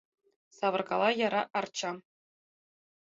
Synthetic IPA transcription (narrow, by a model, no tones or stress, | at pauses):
sɑʋɤ̆rkɑ̰lˠɑjɑɾɑ̰ʔɑrt͡ɕɑ